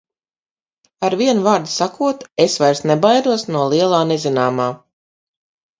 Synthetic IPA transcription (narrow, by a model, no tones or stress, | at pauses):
aɾviɛnvaːɾd̪sakuɔt̪esvajɾsnebajd̪uɔsnuɔlˠiɛlˠaːnezinaːmaː